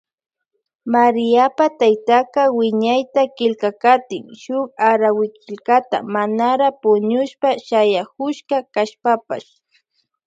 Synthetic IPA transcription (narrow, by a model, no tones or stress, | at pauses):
maɾɪjapat̪ajt̪akawɪɲajt̪akɪlkakat̪ɪŋʃʊkaɾawɪkɪlkat̪a̰manaɾapʊɲʊʃpaʃajakʊʃkakaʃpapa̰ʃ